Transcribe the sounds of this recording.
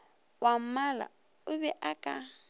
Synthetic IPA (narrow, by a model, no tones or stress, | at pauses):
wam̩mala̰ | ʊβɛʔakʼa